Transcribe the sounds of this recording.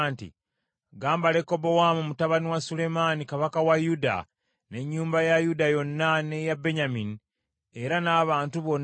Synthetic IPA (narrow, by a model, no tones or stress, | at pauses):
ntḭ | ɡaːmbale̞kːo̞bo̞wamumutaβaniwasule̞manikaβakawajuda̰ | ne̞ɲːuːmbajajudajo̞nːane̞jabe̞ɲamini | e̞ɾanaːβaːntuβo̞nː